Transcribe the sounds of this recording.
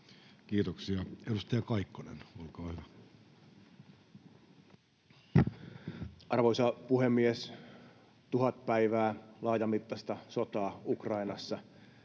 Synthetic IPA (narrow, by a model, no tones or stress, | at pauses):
kiːt̪oksiɑedust̪ɑjɑkɑikːonḛnolkɑːhyʋæ | ʔɑrʋoijsɑpuhemːies | t̪uɦɑt̪̚pæiʋæːlɑːj̪ɑmit̪ːɑst̪ɑsot̪ɑːukrɑinɑsːɑ